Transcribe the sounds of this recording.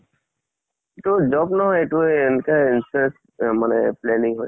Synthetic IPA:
etud͡ʒɔbnɔɦɔjetuɛnkainsɛs | manɛ̰plɛniŋɦɔj

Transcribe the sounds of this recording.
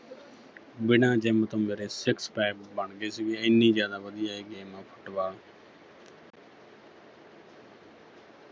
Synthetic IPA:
bɪnãːd͡ʒeːmət̪õːmeːɾeːsɪkspɛːpbəɳɡeːsɪɡeːɪnːiːzjaːd̪aːʋəd̪ɪjaːeːɡeːmãːpʰə̥ʈʋaː

